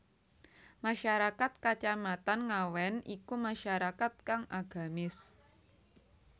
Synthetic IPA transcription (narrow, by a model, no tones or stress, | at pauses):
maʃaɾakat̪̚kat͡ʃamat̪anŋawɛnʔikumaʃaɾakat̪̚kaŋʔaɡ̥a̤mɪs